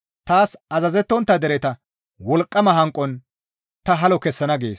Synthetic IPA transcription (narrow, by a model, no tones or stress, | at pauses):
t̪aːsɐzɐzɛt̪ːɔnt̪ːɐd̪ɛɾɛt̪ɐ | wɔlkʼːɐmɐɦɐŋkʼːɔn | t̪ɐɦɐlɔkɛsːɐnɐɡḛːs